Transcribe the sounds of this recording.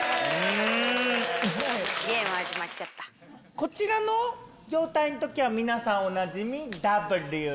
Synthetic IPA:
ɯ̃ | ɡẽɰ̃aʑimatt͡ɕat̪ːḁ | ko̞t͡ɕiɾano̞ | d͡ʑo̞ːt̪aino̞t̪o̞kʲiβamʲinasãɰ̃onad͡ʑimʲid̪abɯ̟ɾɯ

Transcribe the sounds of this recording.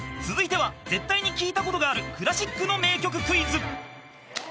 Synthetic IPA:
t͡sɨzɨit̪e̞βad͡ze̞t̪ːaiɲ̟ikʲiːt̪ako̞t̪o̞ɡaːɾɯ̟kɯ̟ɾaɕikːɯno̞me̞ːkʲo̞k̬ɯ̟kɯ̟izɨ

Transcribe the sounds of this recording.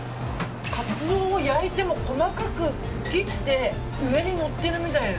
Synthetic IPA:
kat͡sɨd̪o̞ːjaɾit̪e̞mo̞ko̞makakɯ̟ | kʲi̥t̪ːe̞ | ɯ̟e̞ɲ̟ino̞t̪ːe̞ɾɯ̟mʲit̪ain

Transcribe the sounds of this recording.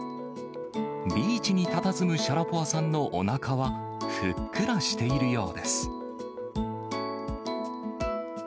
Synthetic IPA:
bʲiːt͡ɕiɲ̟it̪at̪at͡sɨmɯ̟ɕaɾapoasãnːo̞ʔo̰nakʰaβa | ɸɯkːɯ̟ɾaɕi̥t̪e̞iɾɯ̟jo̞ːd̪e̞sɨ̥

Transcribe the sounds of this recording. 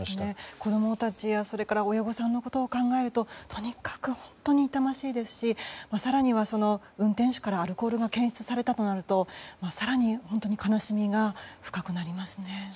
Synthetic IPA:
ne̞ko̞d̪o̞mo̞t̪at͡ɕiβaso̞ɾe̞kaɾao̞jaɡo̞sãnːo̞ko̞t̪o̞ːkãŋɡae̞ɾɯ̟t̪o̞t̪ʰo̞ɲ̟ikḁkɯ̟hõ̞nt̪o̞ɲ̟iːt̪amaɕiːd̪e̞sɨ̥ɕimasaɾaɲ̟iβaso̞no̞ | ɯ̟̃nt̪ẽɕo̥kaɾaːɾɯ̟ko̞ːɾɯ̟ɡakẽ̞ɰ̃ɕi̥t͡sɨ̥saɾe̞t̪at̪o̞naɾɯ̟t̪o̞masaɾaɲ̟ihõ̞nt̪oɲ̟ikanaɕimʲiɡaɸɯ̟̥kakɯ̟naɾʲimasɨne̞

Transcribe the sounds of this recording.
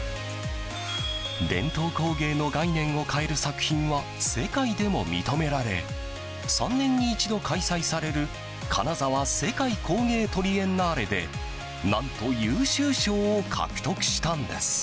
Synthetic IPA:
d̪ẽ̞̰nt̪o̞ːko̞ːɡe̞ːno̞ɡainẽ̞ɰ̃o̞kʰae̞ɾɯ̟sakɯ̟̥çĩɰ̃βa | se̞kaid̪e̞mo̞̰mʲḭt̪o̞me̞ɾaɾe̞̰ | sã̰nːẽ̞ɲ̟ːiːt͡ɕid̪o̞kʰaisaisaɾe̞ɾɯ̟ | kʰa̰nazaβase̞kaikʰo̞ːŋe̞ːt̪o̞ɾʲiẽ̞nːaːɾe̞d̪e̞̰ | nãnt̪o̞jɯːɕɨːɕo̞ːkʰa̰kɯ̟̥t̪o̞kɯ̟̥ɕi̥t̪ãnd̪e̞̰sɨ̥

